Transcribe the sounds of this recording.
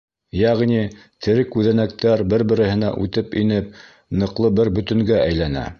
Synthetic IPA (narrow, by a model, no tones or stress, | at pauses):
jæʁnit̪ʰɘ̆ɾɘkʉðænæk̚t̪æɾbɘɾbɘ̆ɾɘ̆hɘ̆næ̰ʔʉt̪ɘpinɘp̚ | nɤ̆qlˠɤbɘɾbɵ̆t̪ɵ̆ŋɡæʔæjlænæ̰